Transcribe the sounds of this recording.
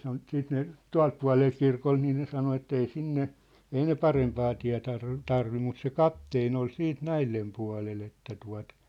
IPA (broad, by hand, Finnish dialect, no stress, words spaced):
sɑno siːt ne tuɑ̝lt puɑ̝leː kirkon niː ne sɑno etːei sinːe ei ne pɑrempɑː tiæ̝ tɑr tɑrʋi mut se kɑpteːn ol siːt næilːem puɑ̝lel etːæ tuɑ̝t